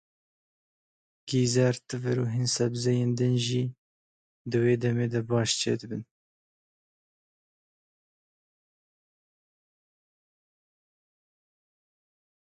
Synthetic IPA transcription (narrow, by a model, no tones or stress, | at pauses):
ɡ̥iːzɛɾt̪ɨvɨɾuːɦinsɛbzɛjeːnd̪ɨnʒiː | d̪ɨweːd̪ɛmeːd̪ɛbɑːʃt͡ʃʰḛːd̪ɨbɨn